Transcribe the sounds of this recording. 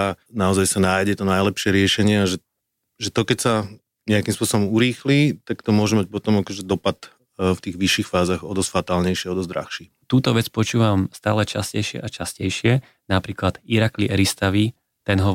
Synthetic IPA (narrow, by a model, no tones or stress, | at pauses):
anaɔzajsanaːjɟɛt̪ɔnajlɛpʃɪɛɾɪɛʃɛɲɪɛaʒɛ | ʒɛt̪ɔkɛcsa | ɲɛakimspʊɔsɔbɔmuɾiːxliːt̪akt̪ɔmʊɔʒɛmac̚pɔt̪ɔmakɔːʒɛd̪ɔpat̪ | ft̪iːɣʋiʃːiːxfaːzaɣɔd̪ɔsfat̪aːlɲɛjʃɪaɔd̪ɔzd̪ɾa̰xʃi | t̪uːt̪ɔʋɛt͡spɔt͡ʃuːʋamst̪a̰ːlɛt͡ʃa̰scɛjʃɪɛ̰ʔat͡ʃascɛjʃɪɛ | napɾiːklad̪̥iɾakliʔɛɾist̪aʋi | t̪ɛnɦɔ